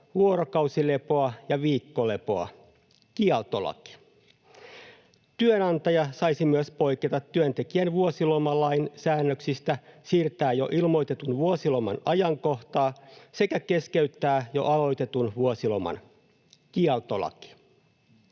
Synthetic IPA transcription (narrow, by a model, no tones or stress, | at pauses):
ʋuoɾokɑwsile̞poɑjɑʋiːkːole̞poɑ̰ | kiɑlt̪olɑ̰ki̥ | t̪yønɑnt̪ɑjɑsɑjsimyøspo̞jket̪ɑt̪ːyønt̪e̞kiænʋuosilomɑlɑjnsæːnːøksist̪æsiːrt̪æːjo̞̰ʔilmo̞jt̪e̞t̪unʋuosilomɑ̰nɑjɑŋko̞ht̪ɑːse̞kæke̞skeyt̪ːæːjo̞̰ʔɑlo̞jt̪e̞t̪unʋuosilomɑ̰n | kiɑlt̪olɑ̰ki̥